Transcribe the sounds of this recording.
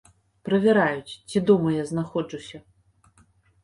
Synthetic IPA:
pɾɐvʲɛɾajut͡sʲt͡sʲid̪umɐjaznaxɔd͡ʐusʲɐ

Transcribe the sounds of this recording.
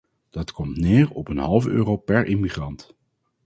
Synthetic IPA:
d̥ɑtkɔmtnɪːɹɔpənɦɑlˠvəøːrowpɛɹʔɪmiχrɑnt

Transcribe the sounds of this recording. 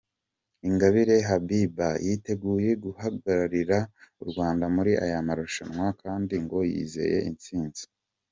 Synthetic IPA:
iŋɡaβiɾe̞ɦabibajite̞ɡuːje̞ɡuhaɡaɾaɾiɾauɾɡwaːndamuɾiʔa̰jamaɾoʃanwakʰaːndiŋɡo̞jḭze̞̰je̞̰ʔint͡siːnz̥i̥

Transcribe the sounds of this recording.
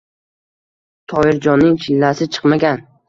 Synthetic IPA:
t̪ʰɒɪɾd͡ʒɒnːɪŋt͡ʃʰɪlːasɪt͡ʃʰɨ̥qmaɡʲan

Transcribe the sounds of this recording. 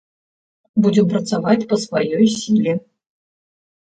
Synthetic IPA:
bud͡zʲɪmpɾɐt̪savat͡sʲpɐsvajɔjsʲilʲi

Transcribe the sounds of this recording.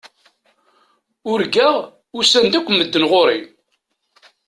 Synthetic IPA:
ʊɾɡæʁ | ʊsænd̪ækʷːməd̪ːənʁoɾi

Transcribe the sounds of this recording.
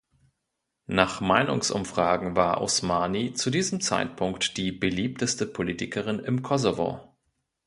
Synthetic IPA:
naːχmaɪnʊ̰ŋsʔʊ̰mfʁ̥aːɡŋ̩vaːɐʔo̰smaːnit͡sudiːzəmt͡sa̰ɪtpʰʊŋktd̥iːbəliːp̚təstəpʰoliːtɪkʰəʁɪnɪmkʰɔzovo̰

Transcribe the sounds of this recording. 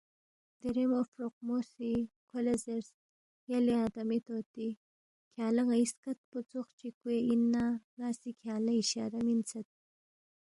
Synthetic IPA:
d̪̥iɾemofɾoq̚mosikʰolezeɾs | jaliad̪amit̪ot̪i | kʰjɑːlaŋaiskat̪̚put͡soxt͡ʃikweinːanɑːsikʰjɑːlaiʃɑ̰ɾamint͡sat̪̚

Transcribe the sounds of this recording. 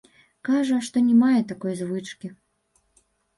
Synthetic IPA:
kaʐɐʂt̪ɔnʲɛmajɛt̪akɔjzvɨt͡ʂkʲi

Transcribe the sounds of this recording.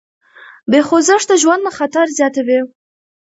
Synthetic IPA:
bexozɪʂd̪əʒwand̪nəxat̪aɾzjɑt̪awi

